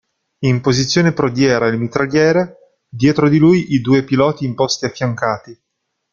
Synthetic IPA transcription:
impozit̪sːjoːnepɾod̪jɛːɾaelmit̪ɾaljɛːɾe | d̪jɛːt̪ɾod̪ilujʔid̪uːepilɔːt̪iːmpɔst̪iafːjaŋkaːt̪i

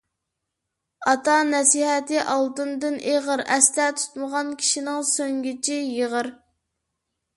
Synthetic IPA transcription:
ɑt̪ɑnɛsiɦɛt̪ɪʔɑlˠd̪ɨnd̪ɨnʔeʁəɾɛst̪ɛt̪ʰu̥t̪məʁɑnkʲʰi̥ʃinɪŋsøŋɡʲit͡ʃʰijeʁəɾ

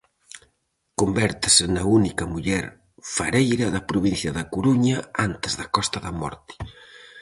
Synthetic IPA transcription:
kumbɛɾt̪ɪsɪnɐunikɐmuʎɛɾ | fɐɾejɾɐðɐpɾuβin̟θjɐðɐkuɾuɲɐant̪ɪzðɐkɔst̪ɐðɐmɔ̰ɾt̪i̥

